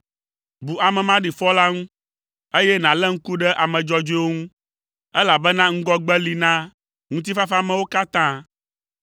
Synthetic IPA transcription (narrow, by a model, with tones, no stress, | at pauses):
bu˨a˨mɛ̃˨mã˦ɖi˨fɔ˦la˦ŋũ˦ | e˦jɛ˦nã˨lɛ˦ŋ̩˦ku˦ɖɛ˦ʔa˨mɛ̃˨d͡ʒɔ˦d͡ʒo˦e˦wo˦ŋũ˦ | ɛ˦la˨bɛ˦nã˦ŋ̩˦ɡɔ˦ɡ͡bɛ˦li˨nã˦ | ŋũ˦t̪̬i˦fa˦fa˦˨mɛ̃˨wo˦ka˦t̪ã˦